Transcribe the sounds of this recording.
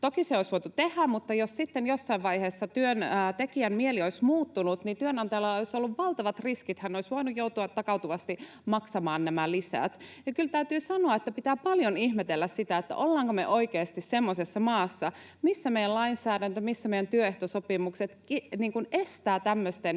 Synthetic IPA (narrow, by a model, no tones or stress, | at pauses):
t̪okiseoisʋoit̪ut̪ehæmmut̪ːɑjossit̪ːenjosːɑiʋʋɑiheːsːɑt̪yønːt̪ekiæmmielioismuːt̪ːunut̪nint̪yønɑnt̪ɑjɑlɑɑoisolːuʋʋɑlt̪ɑʋɑt̪riskit̪hænoisʋoinujjout̪uɑt̪ːɑkɑut̪uʋɑst̪i | mɑksɑmɑːnnæmælisæ̰ːˑt̪jɑkylt̪æyt̪yːsɑnoɑet̪ːæpit̪æːpɑljonihmet̪elːæssit̪æet̪ːæ̰ʔolːɑːŋkomḛʔoikeːst̪issemːosesːɑmɑːsːɑ | misːæmejælɑinsæːɾænt̪ømisːæmeijænt̪yøeht̪osopimukset̪iniːŋkunest̪æːt̪æmːøst̪en